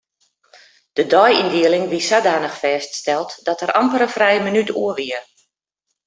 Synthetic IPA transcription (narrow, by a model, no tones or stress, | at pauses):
d̥ədɔjindiəlɪŋʋisadaːnəxfɛːststɛlˠtdɔtərɾʔampəɾəfrɛjəmənytuəʋiə